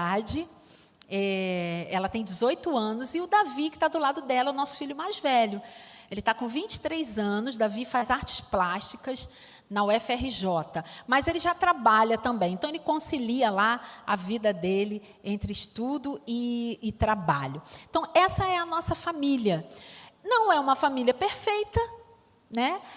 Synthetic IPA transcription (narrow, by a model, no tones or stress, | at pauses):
ad͡ʒɪ | ɛɛlɐt̪ẽj̃d͡ʒɪzojt̪ʊɐ̃nʊzɪʊd̪avikɪ̥t̪ad̪ʊlad̪ʊd̪ɛlɐɛʊnɔsʊ̥fiʎʊmajzvɛʎʊ | elɪt̪akõvĩt͡ʃɪ̥t̪ɾejzɐ̃nʊzd̪avifazaɾt͡ʃɪ̥splaʃt͡ʃikɐz | nɐwɛfɛɦɪʒɔt̪ɐmɐzelɪʒat̪ɾabaʎlɐt̪ɐ̃mbẽj̃ẽnt̪ɐ̃w̃elɪkõsiliɐlaɐvid̪ɐd̪elɪ | ẽnt̪ɾɪɪʃt̪ud̪ʊɪːt̪ɾaba̰ʎʊẽt̪ɐ̃w̃ɛsɐɛɐnɔsɐfamiliɐnɐ̃w̃ɛũmɐfamiliɐpeɾfejt̪ɐ | nɛ